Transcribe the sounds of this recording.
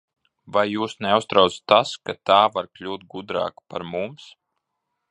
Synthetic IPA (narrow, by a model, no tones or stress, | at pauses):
vajːuːsnɛust̪ɾawt̪t̪ːaskat̪aːvaɾklʲuːt̪̚ɡud̪ɾa̰ːkpaɾmums